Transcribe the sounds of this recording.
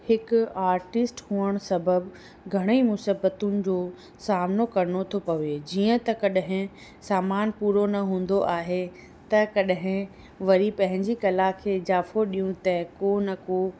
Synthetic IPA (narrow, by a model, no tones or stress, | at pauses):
hɪkʊaːɾʈɪsʈhuəɽ̃sɐbəb | ɡʱɐɽ̃eimʊsibət̪ʊnɪ̆d͡ʑoː | saːmnokɐɾñot̪ʰopɐʋed͡ʑiːə̃t̪ɐkɐɗɦɪ̃ | saːmaːnpuːɾonɐɦũːn̆d̪oʔaːɦe | t̪ɐkɐɗɦɪ̃ | ʋɐɾipɐ̃ɦɪ̃ɲd͡ʑikɐlakʰeːɪd͡ʑaːfoɗijũt̪ɐ̃koːnɐko